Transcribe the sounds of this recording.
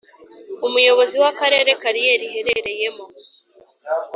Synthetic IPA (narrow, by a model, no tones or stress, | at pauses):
umujo̞βo̞ziwakaɾe̞ːɾe̞kaɾije̞ɾihe̞ɾe̞ɾe̞je̞mo̞